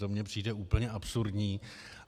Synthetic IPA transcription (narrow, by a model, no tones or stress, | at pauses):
omɲɛpr̝̥iːdɛuːpl̩ɲɛʔapsuɾdɲiː